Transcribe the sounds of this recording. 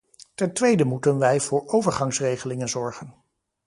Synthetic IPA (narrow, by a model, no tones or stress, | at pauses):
tɛntʋejdəmutənʋɛjv̥ʊːɹowvəɹχɑŋsrejχəlɪŋənzɔɹχən